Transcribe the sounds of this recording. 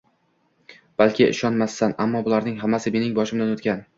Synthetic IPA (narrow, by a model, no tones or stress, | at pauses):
b̥alkʲʰɪɪ̰ʃɒnmasːanamːɒbʊlaɾnɪŋɦamːasɪme̞nɪŋbɒʃɪmd̪anot̪kʲan